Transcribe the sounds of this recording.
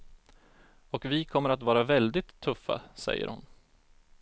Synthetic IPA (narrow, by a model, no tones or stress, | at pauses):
ɔkvɪkʰɔmːəɾat̪vɑːɾavɛld̪ɪt̪ʰːɵfːa̰sɛ̰jːə̰ɾhʊn